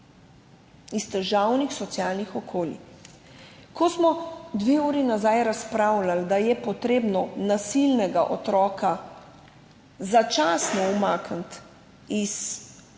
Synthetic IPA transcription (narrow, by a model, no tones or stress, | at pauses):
ist̪ɛʒawnixsɔt̪sjaːlnixɔkʰoːlḭ | kɔsmɔd̪ʋeuːɾinazajɾaspɾawlald̪ajɛpɔt̪ɾeːbnɔnasilnɛɡaʔɔt̪ɾɔːka | zat͡ʃaːsnɔumaːkənt̪ | is